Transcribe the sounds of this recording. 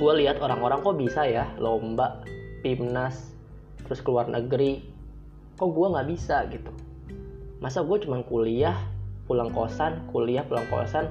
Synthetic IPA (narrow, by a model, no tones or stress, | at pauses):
ɡualiɦat̪oɾaŋoɾaŋkɔbisajalombaʔpimnas | t̪əɾʊskəluarnʔəɡɾi | kɔɡuaŋɡaʔbisaɡit̪u̥ | masaɡuat͡ʃumankuliahpulaŋko̰sankuliahpulaŋko̰san